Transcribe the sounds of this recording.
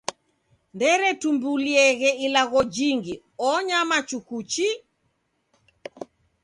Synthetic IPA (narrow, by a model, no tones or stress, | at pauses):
ndɛɾɛtumbuliɛɣɛilaɣɔd͡ʒiŋɡi | ɔɲamat͡ʃukut͡ʃi